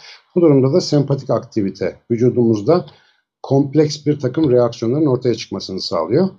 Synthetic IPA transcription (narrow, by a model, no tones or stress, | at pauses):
b̥ud̪uɾumd̪ad̪asɛmpʰat̪ʰicakt̪ʰivit̪ʰɛvyd͡ʒuːd̪umuzd̪a | kʰo̞mplʲɛcsbiɾt̪ʰakɯmɾejaksjoaɾɯno̞ɾt̪ʰajat͡ʃʰɯ̥kmasɯnɯsa̰ːlˠɯjo̞